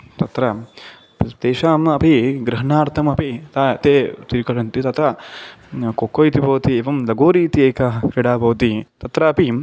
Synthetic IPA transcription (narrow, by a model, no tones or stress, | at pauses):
t̪ɐt̪ɾɐ | pt̪eːʃaːmɐpiɡɾɐɦɐɳaːɾt̪ʰɐmɐpit̪aːt̪eːt̪iːɾkɐʂɐnt̪it̪ɐt̪ɐ | kokoːjt̪ibʱɐʋɐt̪ieːʋɐmlɐɡoːɾiːt̪ieːkaɦɐkɾiɽaːbɐʋt̪it̪ɐt̪ɾɐɐpi